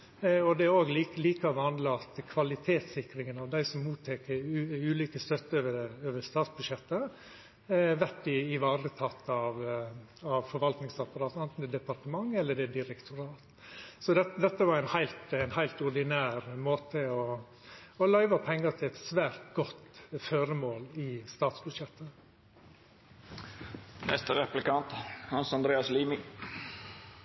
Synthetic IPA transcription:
ɔd̪ɛæɾoːɡliːliːkɑʋɑnd̪lɑɑt̪kʰʋɑlɪt̪ʰeːt̪sɪkɾɪŋənɑʋd̪æɪsɔmːuːt̪ʰːeːkəɾʉʉːliːkəst̪œt̪ːəøʋəɾøːʋəst̪ɑːt̪sbʉd̪ʃjɛt̪ːə | ʋæʈːɪɪʋɑːɾət̪ʰɑt̪ːɑʋ | ɑʋfɔɾʋɑlt̪nɪŋsɑpɑɾɑːt̪ɛnt̪n̩d̪ɛd̪ɛpɑɾʈ̪əmɑŋːɛlːəɖɛd̪ɪɾɛkt̪ʰʊɾɑːt̪ | sɔd̪ɛd̪ɛt̪ːəʋɑɾæɪnhæɪlt̪ɛnhæɪlt̪ʊɾɖɪnæːɾmoːt̪ʰəɔ | ɔlæɪʋɑpʰɛŋːət̪ʰɪlɛt̪sʋæːɾt̪ɡɔt̪føːɾəmoːlɪst̪ɑːt̪sbʉ̥ʃjɛt̪ʰːə | nɛ̰st̪əɾɛplɪkɑnt̪hɑnsɑnd̪ɾeːɑsliːmɪ

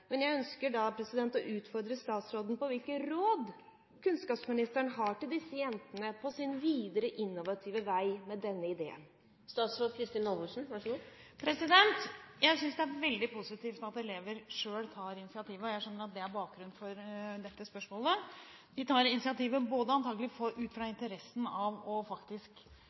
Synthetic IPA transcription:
mɛnjæɪœnskəɖɑpʰɾɛsɪd̪ɛnt̪ɔʔʉːt̪fɔɾd̪ɾəst̪ɑːt̪sɾoːd̪ən̩pɔʋɪlkəɾoːd̪ | kʰʉnskɑːpsmɪnɪst̪æɳəɦɑʈɪld̪ɪsːəjɛnt̪ənəpʰɔsɪnʋiːd̪əɾəʔɪnːʊʋɑt̪ʰiːʋəʋæɪmɛd̪ɛnːəɪd̪ḛːə̰n | st̪ɑːt̪sɾoːd̪̚kʰɾɪst̪ɪːnɔlbʉʂn̩ʋɑʂɡuː | pʰɾɛsɪd̪ɛnt̪jæɪsʏnsd̪ɛæɾʋɛld̪ɪpʰʊsɪt̪iːft̪ɑt̪ɛleːʋəɾʂøːlt̪ʰɑːɾɪnɪsɪɑt̪ʰiːʋəɔjæɪʂœnːəɾɑt̪̚d̪ɛæɾbɑːk̚ɡɾʉnfɔɾd̪ɛt̪ːəspœʂmoːlə | d̪ɪt̪ʰɑːɾɪnɪsɪɑt̪ʰiːʋəboːd̪əɑnt̪ʰɑːɡlɪfɔɾʔʉːt̪fɾɑɪnt̪əɾɛsn̩ɑʋɔfɑkt̪ɪsk

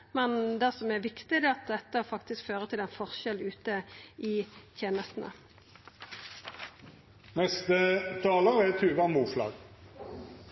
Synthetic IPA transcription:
mɛnd̪ɛsɔmɛʋɪkt̪ɪd̪ɛːɑt̪̚d̪ɛt̪ːəfɑkt̪ɪskføːʁət̪ʰɪlɛnfɔʁʃɛlʉːt̪əiɪt̪ʰjeːnəst̪n̩ə̰ | nɛst̪ət̪ʰɑːləʁɛt̪ʰʉːɡɑnmuːʃlɑ̰ːɡ

